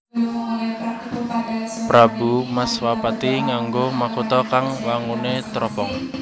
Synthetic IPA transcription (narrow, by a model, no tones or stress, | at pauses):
pɾabumaswapat̪iŋaŋɡomakut̪ɔkaŋwaŋunet̪ɾɔpɔŋ